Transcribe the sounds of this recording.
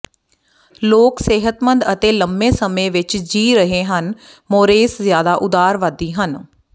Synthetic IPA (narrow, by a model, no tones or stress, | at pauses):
loːkseːɦət̪mənd̪ət̪eːləmbẽːsəmẽːʋɪt͡ʃd͡ʒiːɾəɦeːɦən | moːɾeːszjaːd̪aːʔʊd̪aːɾʋəd̪iːɦən